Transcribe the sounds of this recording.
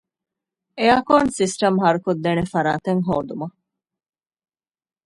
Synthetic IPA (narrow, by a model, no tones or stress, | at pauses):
eaːkoːnsisʈɐmɦɐɾukod̪ːenefɐɾa̰ːt̪ɐŋɦoːd̪umɐ